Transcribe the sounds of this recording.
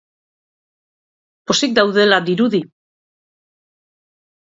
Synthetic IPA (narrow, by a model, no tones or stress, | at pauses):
po̞sik̚d̪awðe̞lad̪iɾuði